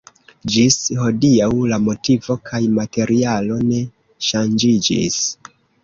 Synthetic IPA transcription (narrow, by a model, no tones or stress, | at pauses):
d͡ʒisho̞diawlamo̞tivo̞kʰajmate̞ɾʔialo̞ne̞ | ʃand͡ʒid͡ʒḭs